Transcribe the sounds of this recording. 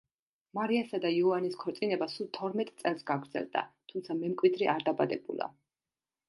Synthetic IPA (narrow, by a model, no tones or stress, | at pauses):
maɾiasad̪aiɔaniskʰɔɾt̪sʼinɛbasulˠt̪ʰɔɾmɛt̪ʼt̪sʼɛlˠsɡaɡɾd̪zɛ̰lˠd̪a̰t̪ʰumt̪sʰamɛmkʼwid̪ɾiʔaɾd̪abad̪ɛbṵlˠa̰